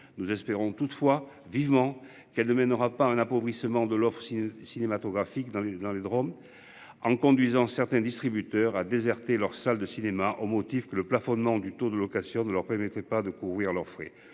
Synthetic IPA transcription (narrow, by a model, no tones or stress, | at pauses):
nuzɛspeʁɔ̃t̪ut̪əfwa | vivəmɑ̃ | kɛlnəmɛnəʁapaɛ̃napɔvʁisəmɑ̃d̪əlɔfχəsisinemat̪ɔɡʁafikd̪ɑ̃d̪ɑ̃led̪ʁɔm | ɑ̃kɔ̃d̪ɥizɑ̃sɛʁt̪ɛ̃d̪ist̪χibyt̪œʁad̪ezɛʁt̪elœʁsald̪əsinemaʔomɔt̪ifkələplafɔnmɑ̃d̪yt̪od̪əlɔkasjɔ̃nəlœʁpɛʁmɛt̪χɛpad̪əkuvʁiʁlœʁfχḛ